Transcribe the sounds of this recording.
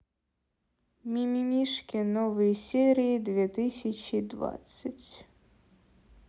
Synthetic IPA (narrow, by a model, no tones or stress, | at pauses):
mʲimʲimʲiʂkʲinɔvɨjsʲɛɾʲijid̪vʲɛt̪ɨsʲɐt͡ɕid̪va̰t̪sɨt͡sʲ